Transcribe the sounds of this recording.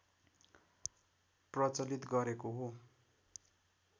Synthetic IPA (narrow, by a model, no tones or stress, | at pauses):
prʌt͡sʌlit̪ɡʌɾekoɦo